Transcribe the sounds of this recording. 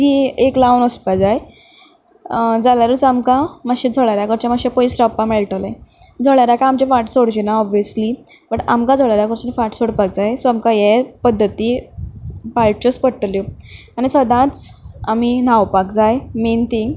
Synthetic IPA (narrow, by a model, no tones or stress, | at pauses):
ieklawnəspad͡zaj | d͡zalaɾət͡samkãmaɕẽd͡zʱɔɭaɾjakəɾt͡ɕamaɕẽpoisɾawpameɭʈəlẽ | d͡zʱɔɭaɾjakaamt͡ɕefaʈsoɽt͡ɕinaɔbijəsli | bəʈamkad͡zʱɔɭaɾjakəɾt͡ɕanifaʈsoɽpak̚d͡zajsoamkajepəd̪ʱːət̪i | paɭt͡ɕospəɽʈljo | añisəd̪ãt͡sam̤inawpakd͡zajment̪ʰiŋɡ